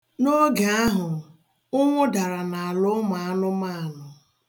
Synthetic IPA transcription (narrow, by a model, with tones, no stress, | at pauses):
no˦ɡa˨a˦ɦʊ˨ | ʊ˦ŋʷʊ˦da˨ɾa˨na˨a˨lʊ˦ma˨a˦nʊ˦ma˦a˨nʊ˨